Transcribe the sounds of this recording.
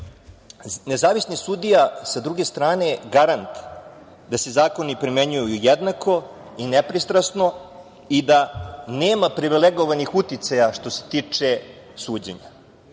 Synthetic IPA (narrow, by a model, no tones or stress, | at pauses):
ne̞zaːʋisnisud̪ijasad̪ɾuɡe̞st̪ɾaːne̞ɡaɾant̪ | d̪ase̞zaːko̞nipɾime̞ɲujujujed̪nakʰo̞ | inepɾist̪ɾasno̞ | id̪aneːmapɾiʋileɡo̞ʋanixut̪it̪sajaʃt̪o̞se̥t̪iːt͡ʂe̞ | suːd͡ʑḛɲa̰